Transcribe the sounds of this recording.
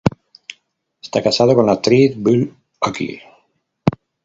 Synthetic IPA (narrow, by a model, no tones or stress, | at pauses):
est̪akasað̞okonlat̪ɾiθbyl | akḭ